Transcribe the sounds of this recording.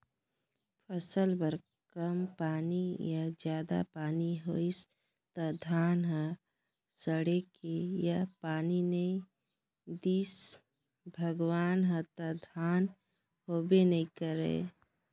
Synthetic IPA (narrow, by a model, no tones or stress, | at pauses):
pʰəsəlbəɾ | kəmpaːnijad͡ʒjaːd̪a̰paːniɦoɪs | t̪ad̪ʱaːnɦə | səɽekejapaːninəĩ | d̪iːs | bʱəɡwaːnɦə̃t̪ad̪ʱaːn | hoːbenɐĩkəɾḛː